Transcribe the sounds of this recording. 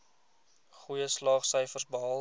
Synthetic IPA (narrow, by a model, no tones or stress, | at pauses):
χujəslɑːχsəjfərsbəɦɑ